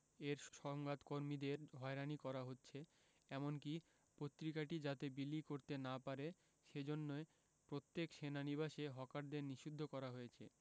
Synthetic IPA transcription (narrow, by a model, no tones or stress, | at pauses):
eɾʃʃɔŋɡat̪koɾmid̪eɾɦɔeɾanikɔɾaɦotːɕʰe | ɛmonki | pot̪ːɾikaʈid͡ʑat̪ebilikoɾt̪enapaɾe | ʃed͡ʑonːoe | pɾot̪ːekʃenaniβaʃeɦɔkaɾd̪eɾniʃud̪ʱːokɔɾaɦoet͡ɕʰḛ